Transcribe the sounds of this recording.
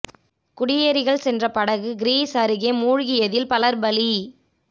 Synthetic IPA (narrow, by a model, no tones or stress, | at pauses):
kʊɽɪjeːɾɪɣɐɭsɛndrɐpɐɽɐɣɯɡɪɾiːsɐɾɯɣeːmuːɻɣɪjɐðɪlpɐlɐɾbɐli